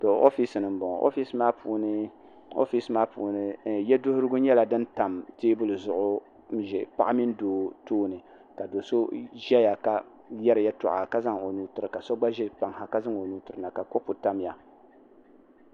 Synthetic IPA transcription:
tɔ˨o̰˦fi˦snɨ˨m̩˦bɔ˨ʔo̰˦fi˦smaː˦puː˨nɨ˦ | o̰˦fi˦smaː˦puː˨nɨ˦jɛ˦dʊ˦hʊ˦ɾɨ˦ɡʊ˦ɲɛ˦la˨dɨ˦nta˨mteː˦bʊ˦lɨ˨zʊ˦ʔʊ˦ | m̩˦ʒɛ˨pa˦ʔa˦mi˦n˦doː˨˦toː˦nɨ˨ | ka˨do˨so˦ʒɛ˦ja˨ka˨ | jɛ˦ɾɨ˨ja˦tɔ̰˨ʔa̰˨ka˦za˦ŋ˨o˨nuː˦tʊ˨ɾɨ˨ka˨sɔ˦ɡ͡ba˦ʒɛ˦pa˨ŋha˨ka˦za˦ŋo˨nu˦tʊ˨ɨ˨na˨ka˨ko˦pu˨ta˦mja˨

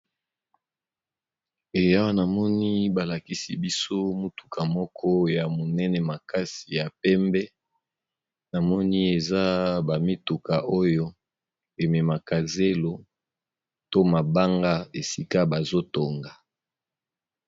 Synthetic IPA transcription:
e˨ja˦wa˦na˨mɔ˦ni˦ba˨la˨ki˦si˨bi˦so˦mu˦tu̥˨kʰa˨mɔ˦kʰɔ˦ja˨mo˨nɛ˦nɛ˨ma˨ka˦si˨ja˨pɛ˦mbɛ˦ | na˨mɔ˦ni˦e˨za˦ba˨mi˦tu˨ka˨ʔo˦jo˦ | e˨mɛ˨ma˨ka˨ze˦lo˦ | to˦ma˨ba˦ŋɡa˦e˨si˦ka˦ba˨zo˦to˨ŋɡa˨

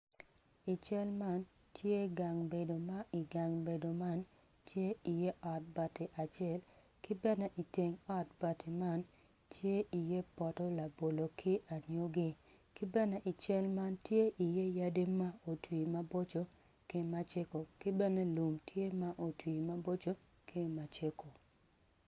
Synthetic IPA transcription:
ɪ˨t͡ʃɛ˦lma˦n | tʰje˦ɡa˨ŋbe˨do˨ma˦ʔɪ˨ɡa˨ŋbe˨do˨ma˦n | tʰje˦i˨je˦ʔɔ˨t̚ba˨tɪ˨ʔa˨t͡ʃɪɛ˦l | kɪ˦bɛ˦nɛ˦ʔi˨te˨ŋɔ˦t̚ba˨tɪ˨ma˦n | tʰje˦ʔi˨je˦pɔ˨tɔ˦la˨bo˨lo˨kʰɪ˦ʔa˨ɲo˦ɡɪ˦ | kɪ˦bɛ˦nɛ˦ʔɪ˨t͡ʃɛ˦lma˦ntje˦ʔi˨je˦ja˦de˦ma˦o˨twi˨ma˦bo˦t͡ʃo˦ | kɪ˦ma˦t͡ʃe˦ko˨kɪ˦bɛ˦nɛ˦lu˨mtje˦ma˦ʔo˨twi˨ma˦bo˦t͡ʃo˦ | kʰe˦ma˨t͡ʃe˦ko˨

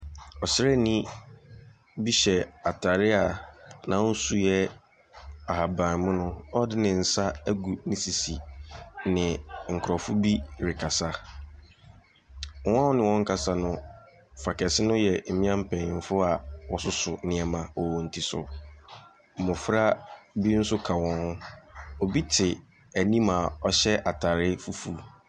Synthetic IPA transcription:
ɔ˨sɪ˦ɾɛ˦nĩ˦ | bi˦ɕɛ˨a˨tʰa˨ɾɪ˦a˨nã˨˦su˦jɛ˦ | a˨ha˨bã˨mʊ̃˦nʊ̃˦ɔ˦dɪ˦nɪ̃˨n̩˨sa˦æ˦ɡu˨nɪ̃˦si˨si˨nɪ̃˨ŋ̩˨kʰʊ˨ɾɔ˨fʊ˦bi˦ɾɪ˨kʰa˨sa˦˨˦ | ã˦hʊ̃˦nɪ̃˨wɔ̃˦ŋ̩˦kʰa˨sa˦nʊ̃˦ | fa˨kɛ˨sɪ˦nʊ̃˦jɛ˨m̩˦mɪ̃˦ã˦m̩˦pʰɛ̃˨ɪ̃˨m˦fʊ˦a˨wɔ˨sʊ˦sʊ˨nɪ̃˦ɛ˨mã˨ɔ˨wɔ̃˨n̩˨tʰi˨sʊ̰˨ | mʊ̃˨fɾa˦bi˦n̩˦sʊ˦kʰa˨wɔ̃˦nhʊ̃˦ɔ˨bi˦tʰɪ˨ | æ˨nĩ˦ma˨ɔ˦ɕɛ˦ʔa˨tʰa˨ɾɪ˦fu˦fuː˦

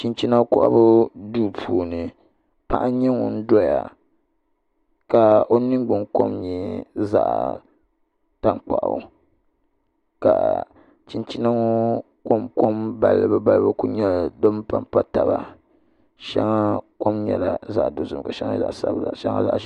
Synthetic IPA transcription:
t͡ʃi˨nt͡ʃi˦na˦kʊ˦ʔa̰˦bʊ˦duː˦pʰuː˨nɨ˨ | pa̰˦ʔa˦ɲɛ˦ŋɔ˨n̩˦dɔ˦ja̰˨ | ka˨o˦nɨ˦ŋɡ͡bʊ˨ŋko̰˦mɲɛ˨˦za̰˨ʔ | ta˦ŋk͡pa˨ʔa̰˨ | ka̰˨ | t͡ʃi˨nt͡ʃi˦na˦ŋo˦ | ko˦mko˦mba˨lːɨ˦bɨ˦ba˦lbɨ˦ku˦ɲɛ˦˨do˦m˦pa˦mpa˦ta˨ba˨ | ʃa̰˦ŋa˦ko˦mɲɛ̰˨la̰˨za˨ʔdo˨zɨ˨m˨ka˨ʃa̰˦ŋa˦za̰˨ʔsa̰˦bza̰˨ʃa˦ŋa̰˦za̰˨ʔ

